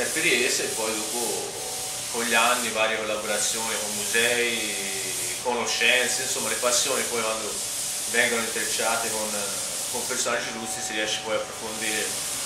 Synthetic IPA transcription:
ɛmpːeɾiɛsoepːɔjd̪oːpo | konʎːianːivaːɾjekolːaboɾat̪sːjoːnikomːuzɛːi | konoʃːɛnt̪seinsomːalepasːjoːnipɔjkwand̪o | vɛŋɡonoint̪eɾet͡ʃːaːt̪ekon | kompersonad͡ʒːilust̪isiɾiɛʃːe̥pɔjapːɾofond̪iːɾe

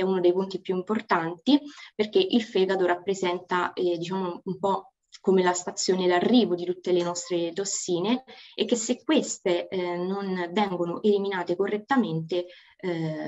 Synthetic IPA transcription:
ɛunod̪ejpunt̪ipjuimport̪ant̪iperk̟eʔilfɛɡad̪oɾapːɾezɛnt̪ad̪it͡ʃaːmoumpɔ | komelast̪at̪sːjoːnelarːiːvod̪it̪ut̪ːelenɔst̪ɾet̪osːiːneekːesːekːwest̪enonvɛŋɡonoʔeliminaːt̪ekorːet̪ːament̪e

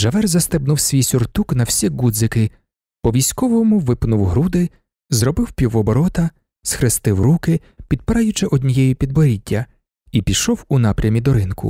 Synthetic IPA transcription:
ʒɐʋɛrzɐst̪ɪbnʊwsʲʋʲijsʲʊrt̪uknɐwsʲiɡud̪zɪkɪ | pɔʋʲijsʲkɔʋɔmʊʋɪpnʊwɦɾud̪ɪ | zrɔbɪwpʲiwɔbɔɾɔt̪ɐ | sxɾɪst̪ɪwrukɪ | pʲid̪pɪɾɑjʊt͡ʃɪʔɔd̪ʲnʲijɛjipʲid̪bɔɾʲitʲːɐ | ipʲiʃɔwʊn̪ɑpɾʲɐmʲid̪ɔɾɪnkʊ̰

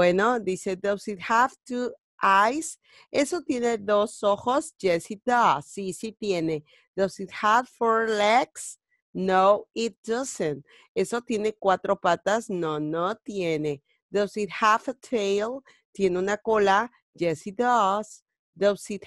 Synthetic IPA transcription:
wenod̪ise̞d̪asit̪havt̪u | ʔajs | e̞so̞t̪je̞ne̞ðoso̞xosd͡ʒesid̪asːisit̪jene̞ | d̪asit̪̚havfoɾleks | nowit̪̚dʌsə̃n | eso̞t̪je̞ne̞kwat̪ɾo̞pat̪asnonot̪je̞ne | d̪asit̪hafətʰejl | t̪je̞neunako̞la | d͡ʒesid̪as | d̪asit̪

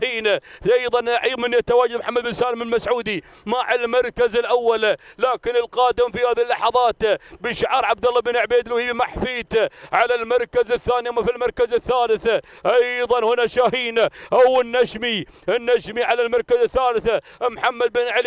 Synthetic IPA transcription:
iːnʔɑjðˤɑnʕijmɪnːjat̪awaːd͡ʒad̪mħamːad̪bɪnsaːlmɪlmasʕuːd̪i | maʕalmɑɾˤkazɪlʔawːallaːkɪnɪlqɑːd̪ɪmfihaːðilːɑħɑðˤɑːt̪bɪʃaʕɑɾˤʕab̚d̪ɑlːɑbɪnɪʕbeːd̪lwhiːbmaħfiːt̪ʕalalmɑɾˤkazɪθːaːniʔamːafilmɑɾˤkazɪθːaːlɪθ | ʔɑjðˤɑnhʊnaʃaːhiːnaʔawɪnːaʃmi | ɪnːaʃmiʕalalmɑɾˤkazɪθːaːlɪθamħamːad̪̚bɪnʕl

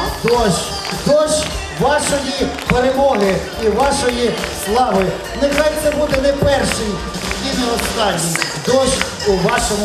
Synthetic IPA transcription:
t̪ɔsʲ | d̪ɔs | ʋɑʃɔjipeɾemɔɦɪ | iʋɑʃɔjislˠɑʋɪ | nɪxɑjnɛbud̪ɛnɛpɛrʃɪj | jʲid̪nɔɦɔslɑnʲːid̪ɔʃ | uʋɑʃɔm

